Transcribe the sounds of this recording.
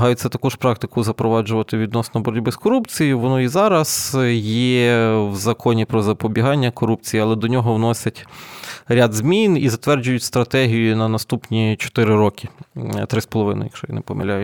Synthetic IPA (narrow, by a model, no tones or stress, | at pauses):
ɦɑjʊt͡sʲːɐt̪ɐkuʃpɾɑk̚t̪ɪkʊzɐpɾɔʋɑd͡ʒʊʋɐt̪ɪʋʲid̪nɔsnɔbɔɾʲʊdʲbɪskɔɾupt͡sʲijʊʋɔnɔizɑɾɐsjɛwzɐkɔnʲipɾɔzɐpɔbʲiɦɑnʲːɐkɔɾup̚t͡sʲijiɐlˠɛd̪ɔnʲɔɦɔʋnɔsʲɐtʲ | ɾʲad̪zmʲinizɐt̪ʋɛrd͡ʒʊjʊtʲst̪ɾɐt̪ɛɦʲijʊnɐnɐst̪upnʲit͡ʃɔ̥t̪ɪɾɪɾɔkʲɪt̪ɾɪspɔlˠɔʋɪ̰nɐ̰jɐ̰kʃɔjḭnɛ̰pɔmɪ̰lʲajɛ